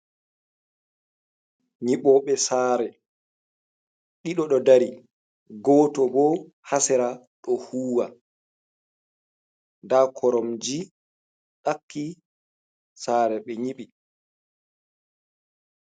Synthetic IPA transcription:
ɲiɓɔɓɛsaːɾɛ | ɗiɗɔɗɔdaɾi | ɡɔːtɔbɔ | hasɛɾa | ɗɔhuːwa | ndakʰɔɾɔmd͡ʒi | ɗakːi | saːɾɛɓɛɲiɓi

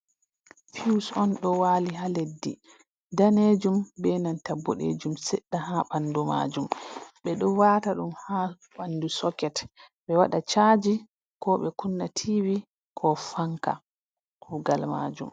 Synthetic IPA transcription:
fiusɔnɗɔwaːliɦaledːḭ | daned͡ʒumbɛnantabːɔ̰ɗḛd͡ʒumsɛɗːaɦaɓanduma̰d͡ʒumɓɛɗɔwataɗumha | ɓandusɔkɛtɓɛwaɗat͡ʃad͡ʒi | kɔɓɛkunːatʰiwi | kʰɔfaŋka̰ | uɡalma̰ːd͡ʒṵm

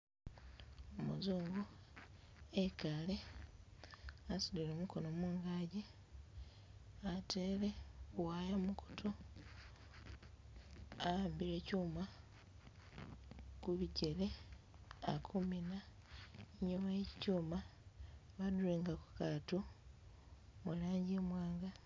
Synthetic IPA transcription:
omuzoːŋɡo | ekale̞ | asulilo̞ːmuko̞nomwuːŋɡaɟe | atʰeːle̞wajamukʰu̥tʰo | aaːmbiɾe̞cuːma | kuβiɟe̞le̞ | a̰kʰumina | ɲumajeci̥cuːma | βaduleːŋɡaku̥katu | mulaːɲɟemwaːŋɡa

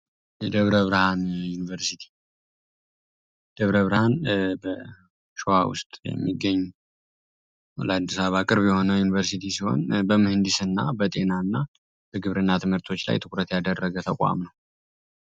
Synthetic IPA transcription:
d̪əβɾəβɾhanjunivəɾsit̪ʰi̥ | d̪̥əβɾəβɾahanbə | ʃua̰wʊ̰st̪ʼjɛ̰mːiɡːəɲːu | ləad̪ːisaβakʼɨɾβjɛho̞nəwjunivəɾsit̪ʰisiho̞̰nbəmɨhɨnd̪isɨnːabət̪ʼe̞nanːa | b̥əɡɨβɾɨnːat̪ʰɨmhɨɾt̪ʰo̞t͡ʃːla̰jt̪ʰɨkʼɾət̪jad̪ərːəɡət̪ʰəkʷʼa̰mnəw

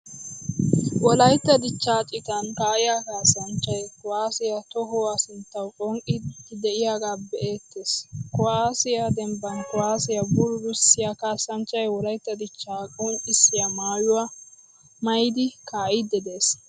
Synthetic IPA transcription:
wɔlɐjt̪ːɐd̪ɪt͡ʃːaːt͡ʃʼɪt̪ɐnkaːʔɪjakaːsːɐnt͡ʃʼːɐjkɔwaːsɪjat̪ɔɦɔwasɪnt̪ːɐwkʼɔŋkʼɪd̪ɛʔɪjaːɡaːbɛʔe̞ːt̪ːe̞ːskɔwaːsɪjad̪ɛmbɐnkɔwaːsɪjɐbʊɾʊɾʊsːɪjakaːsːɐnt͡ʃʼːɐjwɔlɐjt̪ːɐd̪ɪt͡ʃːaːkʼɔŋʼɪsːɪjamaːjʊwa | mɐjd̪ɪkaːʔɪd̪ɛd̪e̞ːs

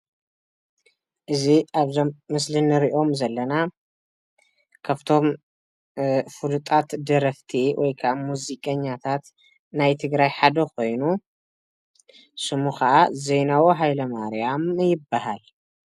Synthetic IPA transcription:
ʔɨziʔaβzomːɨslɨnːɨɾiʔo̞mzɐlːɐna | kʰɐft̪ʰo̞m | fɨlut̪ʼat̪d̪ɐɾɐft̪ʰiwʔɔjkʰɐʔmuzikʼɐɲːat̪ʰat̪ | najt̪ʰɨɡɾajħad̪ɐxo̞jnu | sɨmuxɐʔaze̞jnawoɦajlɐmaɾjamjɪbːahal

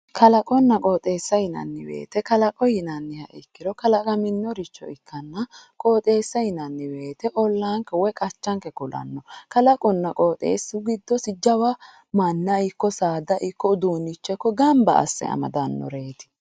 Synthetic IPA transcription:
kʰɐlɐkʼɔnːɐkʼoːt̪ʼe̞ːsːɐjɪnɐ̰nːɪbe̞̰ːt̪ɛkɐlɐkʼɔjɪnɐnːɪhɐʔɪkːɪɾɔkɐlɐkʼɐmɪnːɔɾɪt͡ʃːɔ̰ɪkːɐnːɐkʼoːt̪ʼe̞ːsːɐjɪnɐnːɪbe̞ːt̪ɛʔɔlːaːŋkːɛwɔkʼɐt͡ʃːɐŋkɛkʊlɐ̰nːɔkɐlɐkʼɔnːɐkʼoːt̪ʼḛːsːʊɡɪd̪ːɔsɪd͡ʒɐwɐ | mɐnːɐɪkːɔsaːd̪ɐʔɪkːɔd̪uːnːɪt͡ʃːɛkːɔɡɐmbɐ̰ːsːɛ̰ɐ̰mɐ̰d̪ɐnːɔ̰ɾe̞ːt̪ɪ̥

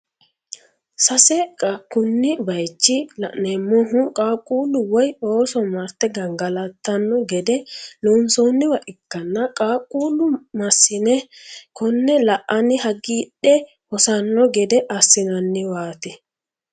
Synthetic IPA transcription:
sɐsɛkʼːɐkʊnːɪbɐjt͡ʃːɪlɐʔnɛmːɔɦʊkʼaːkʼuːlʊwɔjoːsɔmɐɾt̪ːɛɡɐŋɡɐlɐt̪ːɐnːɔɡɛd̪ɛloːnsonːɪwɐʔɪkːɐnːɐkʼaːkʼuːlʊmɐsːɪnɛkɔnːɛlɐʔɐnɪhɐɡiːɗːɛ | hɔsɐnːɔɡɛd̪ɛʔɐsːɪnɐnːɪwaːt̪ɛ

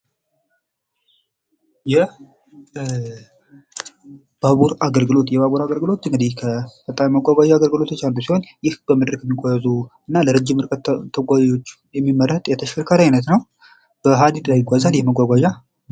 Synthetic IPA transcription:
jɛ | b̥aβuɾaɡəlɡɨlo̞t̪jɛbaβuɾaɡəlɡɨlo̞t̪ɨŋɡɨd̪ihkʰəbət̪ʼːamiməɡʷaɡʷaʒaaɡəlɡɨlo̞t̪ʰot͡ʃːald̪usiho̞njɪhb̥əmɨd̪ɾkjɛmːiɡʷajɛzuɨnːaləɾəd͡ʒːɪmɨɾkʼət̪t̪ʰːəɡʷajjot͡ʃː | jɛmːimːəɾhət̪ʼjɛt̪ʰəʃkʰəɾkʰaɾajɪnət̪nəw | b̥əɦad̪it̪lajɪɡʷazanjɛməɡʷaɡʷaʒa

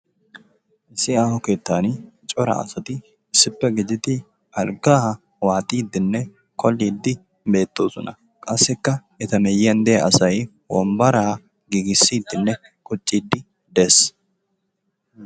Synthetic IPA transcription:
ʔɪsːɪaːhɔke̞ːt̪ːaːnt͡ʃʼɔɾɐ̰ɐ̰sɐt̪ɪ | ɪsːɪpːɛɡɪd͡ʒɪd̪ɪ | ʔɐlɡaːh | waːt̪ʼiːd̪ːɪnːɛ | kʰɔlːiːd̪ːɪ | be̞ːt̪ːo̞ːsɔnɐ | kʼɐsːɛkːɐ | ɛt̪ɐmɛjːjɐnd̪ɛjɐʔɐsɐj | wɔ̰mbɐɾaː | ɡiɡɪsːiːd̪ːɪnːɛ | kʼʊt͡ʃʼːiːd̪ːɪ | d̪es

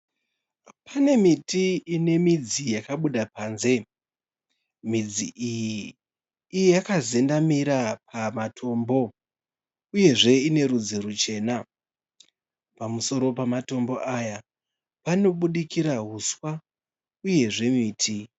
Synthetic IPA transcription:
pʰane̞mitiine̞mid͡zijakaɓuɗapaːnze̞ | mid͡ziʔijiː | jjakaze̞ndamiɾapʰamatʰo̞mbo̞ | uje̞ʐe̞ine̞ɾud͡ziɾut͡ʃe̞ːna | pamuso̞ɾo̞pamato̞mbo̞ʔaja | pano̞ɓuɗikiɾaɦuswa | uje̞ʐe̞miːtʰi

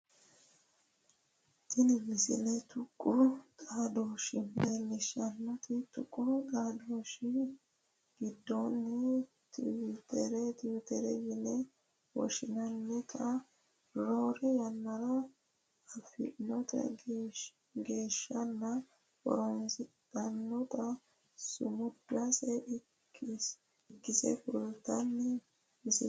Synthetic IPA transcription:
ʔɪnɪmɪsɪ̰lɛt̪ʰʊkʼːʊt̪ʼaːd̪oːʃɪmelːɪʃɐnːɔt̪ɪt̪ʊkʼːʊt̪ʼaːd̪oːʃɪ | ɡɪd̪ːonːɛ | t̪ʰɪwt̪ɛɾɛt̪ɪwɪt̪ɛɾɛjɪnɛ | wɔ̰ʃɪnɐnːɪt̪ʼɐ | ɾoːɾɛjɐnːɐɾɐ | ɐfɪ̰ʔnɔt̪ʼɐ̰ | ɡe̞ːʃːɐnːɐ | kɔ̰ɾɔnsd̪ɐnːɔt̪ʼɐ | sʊmʊd̪asɛ | ɪkːɪsɛ̰fʊlt̪ɐnːɛ | ɪsɪ

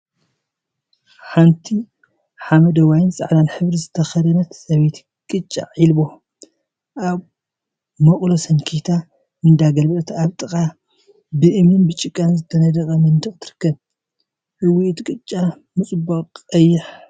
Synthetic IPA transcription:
ħant̪ʰi | ħamɐd̪ɐwajnsʼa̰ʕd̪anħɨβɾizɨt̪ʰɐxɐd̪ɐnɐt̪sɐβet̪ | kʼɨt͡ʃʼːa̰ʕilbo̞ | ʔaβ | mɐkʼlosɐnkʰit̪ʰa | mɨnd̪aɡɐlbɐt̪ʰaβt̪ʼɨkʼa | bɨʔɨmɨnbɨt͡ʃʼːɪkʼːanzɨt̪ʰːɐnɐd̪ɐkʼɐmɐnd̪ɨxʼt̪ʰɨɾɨkːɐβ | ʔɨwit̪kʼɨt͡ʃʼːa | mɨt͡sʼboɐjːɪħ

